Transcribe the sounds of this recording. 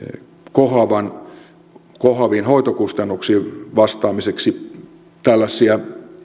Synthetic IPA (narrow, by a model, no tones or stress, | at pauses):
kohɑʋɑn | kohɑʋiːnhoit̪okust̪ɑnːuksiːʋɑst̪ɑːmiseksi | t̪ælːæsːiæ